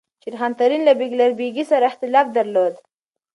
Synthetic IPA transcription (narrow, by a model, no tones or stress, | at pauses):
t͡ʃiɾxɑnt̪aɾinlabiɡlaɾbiɡisaɾaɪxt̪ɪlɑfd̪aɾlod̪